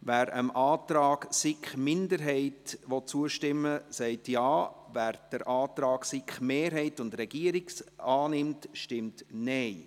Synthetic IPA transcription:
væːɾə̰mʔɑːtɾɑːɡsɪkχmɪndəɾɦɛɪtʋɔt̚t͡suəʃtɪmːəsɛɪtjɑːvæːɾd̥əɾʔɑːtɾɑːɡsɪkχmeːɾɦɛɪtʊndrɛɡ̥iəɾɪksɑːnɪmtʃtɪmtnɛɪ

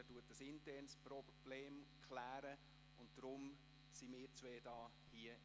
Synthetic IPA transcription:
ətuətəsɪntɛrnspɾɔb̥leːmkʰlæːɾə | ʊntd̥ɾʊm | simɪːɾt͡sʋeːd̥ɑː | hiə

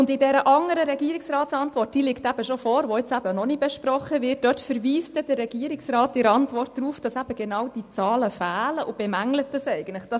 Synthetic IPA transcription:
ʊndɪdɛɾəʔɑŋəɾəɾɛɡiːɾiksrɑːtsɑntʋɔrt̚d̥ilɪktæb̥əʃofɔːɾʋɔɪt͡sæb̥ənɔnib̥ɛʃpɾɔχəʋɪt̚d̥œtfəɾʋiːsdɛd̥ərːɛɡ̥iːɾiksrɑːtɪɾɑntʋɔrtd̥ɾuːfd̥ɑsæb̥əɡ̥enɑwd̥it͡sɑːləfæːləʔʊb̥ɛmæŋlətəsɛɪɡən̩tləχd̥ɑs

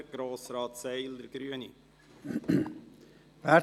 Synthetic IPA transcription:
ɡ̥ɾoːsɾɑːtsɛɪld̪əɾɡ̥ɾyəni | væ

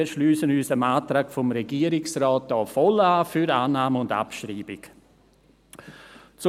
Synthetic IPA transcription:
əʃlyːsənyːsəmaːtɾaːkfɔmɾɛɡiːəɾɪksrɔːtɑːfɔlaːfyɾaːnaːməʊnda̰pʃriːbɪk | t͡s

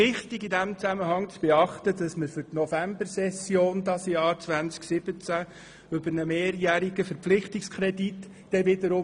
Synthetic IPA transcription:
ɪχtɪɡidæmt͡sæməhɑŋt͡sb̥eɑχt̪ədɑsməɾfʏɾtnɔfæmbəɾsɛsjoːndɑsjɑːɾt͡svænt͡sksɪb̥ət͡sæ | ʏbəɾnəmeːɾjæɾiɡəfəɾpflɪχtɪkskʰɾɛdit | d̥ɛʋɪdəɾʊ

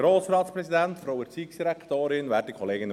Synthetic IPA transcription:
ɾoːsɾɑːtsprɛsidɛntfɾowəɾt͡siːksd̥iɾɛkt̪oːɾɪnʋɛt̚dikʰɔleːɡən

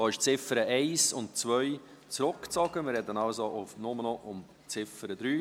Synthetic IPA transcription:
ɑːɪʃt͡sɪfəɾəʔɛɪsʊnt̚t͡svœʏ | t͡sɾʊkt͡sɔɡ̥əmɪrɾɛdənaʊsoʔʊfnʊmənɔʔʊm | t͡sɪfəɾəd̪ɾyː

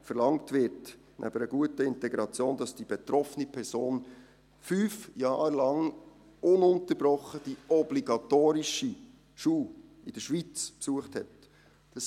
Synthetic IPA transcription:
fəɾlɑŋtʋɪɾt | nʔæ̰b̥əɾəɡ̥uətəɪntɛɡɾɑt͡sjoːnd̥ɑsd̥ib̥ɛtɾɔfənipʰɛɾsoːn | fyːfjɑːɾlɑŋ | ʊnʊntəɾb̥ɾɔχəd̥iɔbliɡɑtoːɾiʃi | ʃuː | id̥əʃʋit͡spsuəχthɛt | d̥ɑs

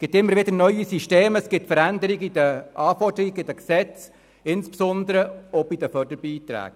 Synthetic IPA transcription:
sɡ̥ɪtɪmːəɾvɪdənœʏisyʃteːməsɡ̥ɪtfəɾændəɾiɡid̥əʔɑːfɔrdəɾiɡɪd̥əksɛt͡s | ɪnspsɔnd̪əɾəɔbidəfœrd̥əɾb̥iːt̪ɾæ̰ːɡ̥

